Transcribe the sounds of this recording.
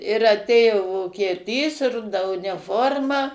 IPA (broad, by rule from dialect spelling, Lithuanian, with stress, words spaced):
ɪr ɐˈtʲeːjoː ʋoːkʲiɛˈtʲiːs ˈrʊdɐ ʊnʲɪˈfoːrmɐ